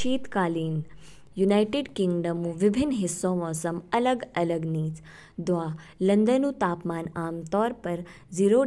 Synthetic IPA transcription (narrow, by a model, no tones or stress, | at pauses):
ʃiːt̪kaːliːn | junaːjʈɪɖkɪŋɡɖəmuʋɪbʱɪnːɦɪsːõːmɔːsɐmɐləɡɐləɡniːt͡s | d̪ʋaː | lɐ̃nd̪ənuːt̪aːpmaːnaːmt̪ɔːɾpɐɾ | d͡ziːɾoː